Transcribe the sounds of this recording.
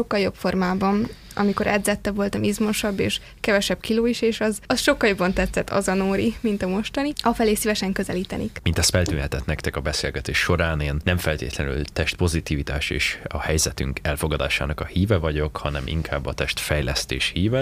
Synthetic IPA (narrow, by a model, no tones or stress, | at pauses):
o̞kːɒljo̞pfo̞rmaːbɒn | ʔɒ̰miko̞ɾʔɛd̪zɛt̪ːɛbvo̞lt̪ɒmizmoʃɒbːḛːʃ | kɛvɛʃɛbkiloːiʃeːʃɒzɒsʃo̞kːɒljo̞bːɒnt̪ɛt̪sɛt̪ʰːɒ̰zɒnoːɾimint̪ɒmo̞ʃt̪ɒniɒfɛleːsivɛʃɛŋkøzɛliːt̪ɛnḭkmint̪ɛst̪fɛlt̪yːnhɛt̪ɛt̪nɛkt̪ɛkɒbɛseːlɡɛt̪eːʃːo̞ɾaːneːnːɛmfɛlt̪eːt̪lɛny̰lt̪ɛʃt̪̚po̞zit̪iːvit̪a̰ːʃḛːʃɒhɛjzɛt̪yŋkɛlfo̞ɡɒd̪a̰ːʃa̰ːnɒkɒhiːvɛvɒɟo̞khɒnɛmʔḭŋkʰa̰ːbːɒt̪ɛʃt̪fɛjlɛst̪ḛːʃhiːvɛ